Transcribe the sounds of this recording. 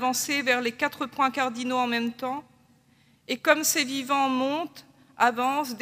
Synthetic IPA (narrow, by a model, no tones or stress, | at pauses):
vɑ̃sevɛʁlekat̪χəpwɛ̃kaʁd̪inoɑ̃mɛmt̪ɑ̃ | ekɔmsevivɑ̃mɔ̃t̪ | avɑ̃sd̪